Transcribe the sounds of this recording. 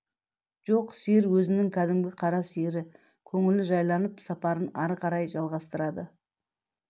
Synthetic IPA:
ʒ̥o̞qsiɪɾwɵzɪnɪŋkʲʰæd̪ɪmɡʲɪqʰɑɾɑsiɾɪ | kʲʰɵŋɪlɪʒɑjlˠɑnəpsɑpɑɾənɑɾqɑɾɑjʒɑlˠʁɑst̪əɾɑd̪ə

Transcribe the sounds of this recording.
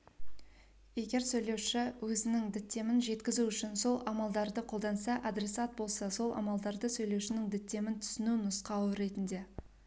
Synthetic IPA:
je̞ɡʲe̞ɾsɵjle̞wʃɪwɵzɪnɪŋd̪ɪt̪ːe̞mɪnʒe̞t̪kʲɪzuʏʃɪnso̞lˠɑmɑlˠd̪ɑɾd̪əqʰo̞lˠd̪ɑnsɑʔɑd̪ɾe̞sat̪̚bo̞lˠsɑso̞lˠʔɑ̰mɑlˠd̪ɑɾd̪əsɵjle̞wʃɪnɪŋd̪ɪt̪ːe̞mɪnt̪ʰʏ̥sɪnunʊsqɑwəɾe̞t̪ɪnd̪e̞

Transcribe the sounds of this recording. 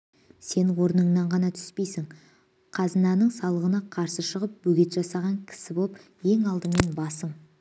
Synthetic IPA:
se̞nwo̞ɾnəɴnɑɴʁɑnɑt̪ʰʏ̥spe̞jsɪŋ | qʰɑzənɑnəɴsɑlˠəʁənɑqʰɑɾsəʃəʁəp̚bɵɡʲe̞t̪ʒɑsɑʁɑŋkʲʰɪ̥sɪbo̞lˠp | je̞ŋɑlˠd̪əme̞nbɑsəɴ

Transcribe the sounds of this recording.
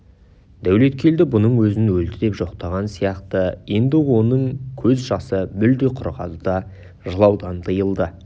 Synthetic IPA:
d̪æwle̞t̪kʲʰe̞ld̪ɪbʊnəɴwɵzɪnwɵlt̪ɪd̪e̞pʒo̞qt̪ɑʁɑnsijɑqt̪əje̞nd̪ɪwo̞nəɴkʲʰɵzʒɑsəmʏld̪eqʰʊɾʁɑ̰zəd̪ɑ | ʒəlˠɑwd̪ɑnt̪ʰəjəlˠd̪ə

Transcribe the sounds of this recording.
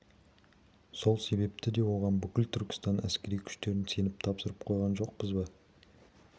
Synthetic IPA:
so̞lˠse̞be̞p̚t̪ɪd̪e̞wo̞ʁɑnbʏkʲɪlt̪ʰʏɾkʲɪ̥st̪ɑnæ̰skʲe̞ɾijkʲʰʏ̥ʃt̪e̞ɾɪnse̞nɪp̚t̪ʰɑpsəɾəp̚qʰo̞jʁɑnʒo̞q̚pəzbɑ

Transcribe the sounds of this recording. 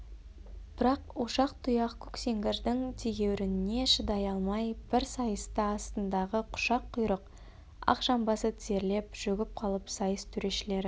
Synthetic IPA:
b̥ɪɾɑqwoʃɑqt̪ʰʊjɑqkʲʰɵ̥kse̞ŋɡʲeɾd̪ɪŋt̪ʰeɡʲe̞wɾɪnɪne̞ʃəd̪ɑjɑlˠmɑjb̥ɪɾsɑjəst̪ɑɑst̪ənd̪ɑʁəqʰʊ̥ʃɑqʰːʊjɾəq | ɑ̰qʒɑmbɑsət̪ʰɪze̞ɾle̞pʒ̥ɵɡʲɪp̚qʰɑlˠəpsɑjəst̪ʰʏɾe̞ʃɪle̞ɾɪ

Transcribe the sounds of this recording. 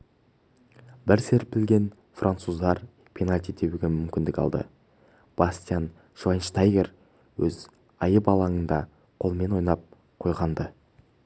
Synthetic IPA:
bɪɾseɾp̚bɪlɡʲe̞n | frʔant̪suzd̪ɑɾ | pʲʰinalʲt̪id̪e̞wʉɡʲe̞mʏmkʲɪnd̪ɪkɑ̰lˠd̪ə̰ | b̥asʲt̪ijan | ʃvanʃt̪ajɡʲer | wɵz | ɑjəbɑlˠɑŋənd̪ɑ | qʰo̞lˠme̞nwo̞jnɑp̚ | qʰo̞jʁɑnd̪ə

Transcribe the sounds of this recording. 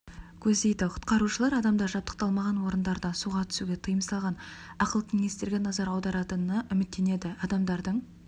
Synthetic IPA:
kʲʰɵzd̪e̞jd̪ɪqʰʊ̥t̪qɑɾuʃəlˠɑɾɑd̪ɑmd̪ɑɾʒɑp̚t̪əq̚t̪ɑlˠmɑʁɑnwo̞ɾənd̪ɑɾd̪ɑsuʁɑt̪ʰʏ̥suɡʲe̞t̪ʰəjəmsɑlˠʁɑnɑqəlˠəqmʲinʲest̪e̞ɾɡʲe̞nɑzɑɾɑwd̪ɑɾɑt̪ənɑʔʏmɪt̪ːe̞ne̞d̪ɪɑd̪ɑmd̪ɑɾd̪əɴ

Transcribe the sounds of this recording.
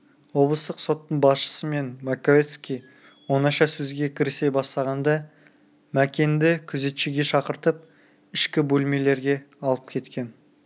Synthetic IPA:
wo̞blˠəst̪əqso̞t̪ːəɴbɑsʃə̥səme̞nmakoet̪skʲij | wo̞nɑʃɑsɵzɡʲe̞kʲʰɪɾɪsejbɑst̪ɑʁɑnd̪ɑ | mækʲe̞nd̪ɪkʲʰʏze̞t̪ʃeɡʲe̞ʃɑqəɾt̪əp̚ | ɪʃkʲɪbɵlme̞le̞ɾɡʲe̞ɑlˠəp̚kʲʰe̞t̪kʲe̞n

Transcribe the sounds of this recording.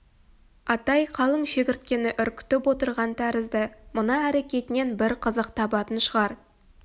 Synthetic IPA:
ɑt̪ɑjqʰɑlˠəɴʃe̞kʲɪɾt̪̚kʲe̞nɪʔʏɾkʲʏ̥t̪ɪpwo̞t̪əɾʁɑnt̪ʰæɾɪzd̪əmʊnɑæɾe̞kʲe̞t̪ɪne̞nbɪɾqʰəzəqt̪ʰɑbɑt̪ənʃəʁɑɾ

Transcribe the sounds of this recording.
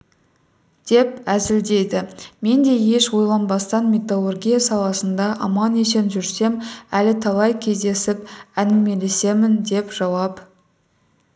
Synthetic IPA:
d̪̥e̞pæzɪld̪e̞jd̪ɪme̞nd̪e̞je̞ʃwo̞jlˠɑnbɑst̪ɑnmʲet̪olˠorɡʲijasɑlˠɑsənd̪ɑʔɑmɑnese̞nʒʏɾse̞mælɪt̪ʰɑlˠɑjkʲʰe̞zd̪e̞sɪpænɪme̞le̞se̞mɪnd̪e̞pʒ̥ɑwɑp

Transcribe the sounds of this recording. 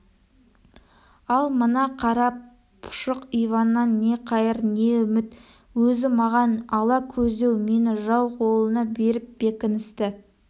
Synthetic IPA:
ɑlˠmənɑqʰɑɾɑ | pʰʊ̥ʃəqijvɑnːɑnːe̞qʰɑjəɾne̞ʏmɪt̪ | wɵzɪmɑʁɑnɑlˠɑkʲʰɵzd̪e̞wme̞nɪʒɑwqʰo̞lˠənɑbe̞ɾɪp̚b̥e̞kʲɪnɪst̪ɪ

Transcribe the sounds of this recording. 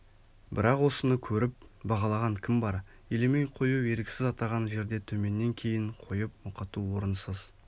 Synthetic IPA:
bɪɾɑqwo̞sənəkʲʰɵɾɪp̚bɑʁɑlˠɑʁɑŋkʲʰɪmbɑɾ | elemejqʰo̞juwe̞ɾkʲɪ̥sɪzɑt̪ɑʁɑnʒe̞ɾd̪e̞t̪ʰɵme̞nːe̞ŋkʲʰe̞jɪɴqʰo̞jəp̚mʊqɑt̪uwo̞ɾənsəz

